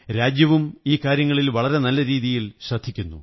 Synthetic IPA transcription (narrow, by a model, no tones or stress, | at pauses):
ɾaːd͡ʑjɐʋumiːkaːɾjɐŋːɐɭilʋɐɭɐɾe̞nɐlːɐɾiːðijilɕrɐd̪ʱːikʲːunːṵ